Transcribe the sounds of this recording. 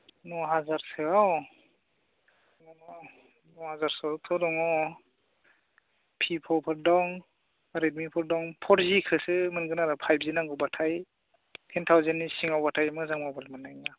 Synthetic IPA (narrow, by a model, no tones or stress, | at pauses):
nɔɦazaɾsɯaw | ŋanɔ | nɔhazaɾsɔtʰɔdɔŋɔ | pʰipʰɔpʰɯɾdɔŋ | aɾidmipʰɔɾdɔŋpʰɔɾzikʰɯsɯmɯnɡɯnaɾapʰajbʰzinaŋɡɔbatʰaj | tʰentʰawzenːisiŋawbatʰajmɯzaŋmabalmɯnajna